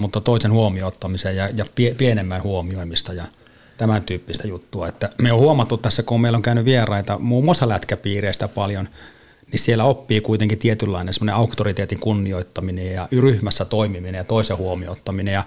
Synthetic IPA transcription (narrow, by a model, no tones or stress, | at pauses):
mut̪ːɑt̪oˑisenhuomioˑt̪ːɑmisejjɑjɑpiepienemːænhuomioˑimist̪ɑjɑ | t̪æmænt̪yːpːist̪æjut̪ːuɑet̪ːæmeohuomɑt̪ːut̪ːæsːækumeˑilːoŋkæynyʋʋierɑit̪ɑmuːmːost̪ɑlæt̪kæpiːreˑist̪æpɑljon | nisielːæopːiːkuit̪eŋkit̪iet̪ylːɑinensemːŏneɑukt̪orit̪eːt̪iŋkunːioit̪ːɑminejjɑryhmæsːæt̪oˑimiminejjɑt̪oˑisehuomiot̪ːɑminejjɑ